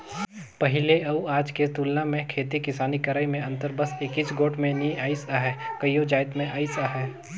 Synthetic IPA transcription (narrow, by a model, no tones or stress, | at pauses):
pɐɦɪleɐuaːd͡ʒket̪uːlnãmẽkʰeːt̪ikɪsaːnikəɾaːjmẽɐ̃nt̪əɾbəsɪkit͡ʃɡoːʈʰmẽniaːɪsaɦɛkəjod͡ʒaːɪt̪mẽʔaːɪsaɦɛː